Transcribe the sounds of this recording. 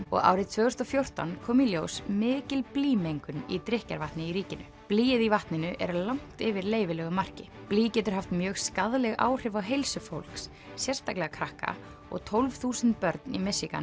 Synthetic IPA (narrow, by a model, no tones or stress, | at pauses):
ɔ̰ɣa̰ːwɾɪðt̪ʰvœːɣʏst̪ɔfjowr̥t̪a̰nkʰɔːmiljowsmɪːcɪlpliːmejŋkʏnit̪ɾɪhca̰ɾvaht̪nɪiɾiːcɪnʏ | pliːjɪðivaht̪nɪnʏʔɛ̰ɾlawŋ̥t̪ɪvɪɾleːjvɪlɛːɣʏmar̥cɪ | pliːcɛːt̪ʏɾ̥ɦaft̪mjœːɣskaðlɛɣa̰ːwr̥ɪvawɦejlsʏfo̰wl̥ks | sjɛrst̪aklɛɣakʰɾahka̰ | ɔ̰ɣt̪ʰolvθuːsɛnt̪̚pœɾt̪nimɛsika̰n